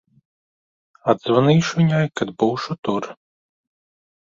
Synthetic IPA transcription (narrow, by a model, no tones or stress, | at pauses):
ad̪zvɐnɨʃunʲajkad̪buwʃut̪uɾ